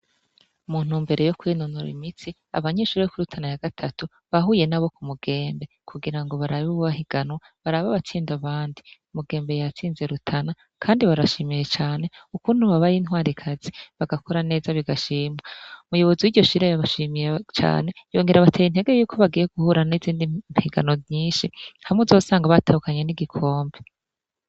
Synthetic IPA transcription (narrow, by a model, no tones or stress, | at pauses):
muːn̥umbe̞ɾe̞jokwiːnunuɾḭmit͡si | a̰βaɲe̞ʃuːɾijokuɾutʰanajaɡ̥atʰatu | βaɦuje̞naβo̞kumuɡ̥e̞ːmbe̞kʰuɡiɾaŋɡo̞βaɾaβoβuβaɦiɡ̥anwa | βaɾaβaβat͡siːndaβaːndiumuɡe̞ːmbe̞jat͡siːnze̞ɾutʰana | kʰaːndiβaɾaʃimije̞t͡ʃaːne̞ukuːn̥uβaβajinhwaːɾikʰaziβaɡakʰoɾane̞ːzaβiɡaʃiːmŋaumujo̞βo̞ziwiɾɟo̞ʃiɾejaβaʃimijet͡ʃa̰ːne̞jo̞ːŋɡe̞ɾaβatʰejinhe̞ɡe̞juːkʰo̞βaɡiːje̞ɡ̥uhuɾaniziːndihiɡa̰novɲiːnʃihamŋezo̞ːsaːŋɡaβatahukaɲe̞niɡikʰo̞ːmbe